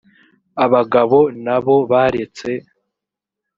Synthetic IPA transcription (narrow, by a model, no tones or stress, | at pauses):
aβaɡaβo̞naβo̞βaɾe̞t͡se̞